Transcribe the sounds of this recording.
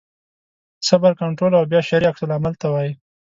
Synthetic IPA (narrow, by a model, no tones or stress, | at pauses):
sabaɾkaɳʈɾolawbjɑʃaɾiaksəlamalt̪awɑji